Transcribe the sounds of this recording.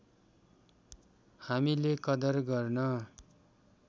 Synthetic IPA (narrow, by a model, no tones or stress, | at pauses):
hamilekʌd̪ʌrɡʌrnʌ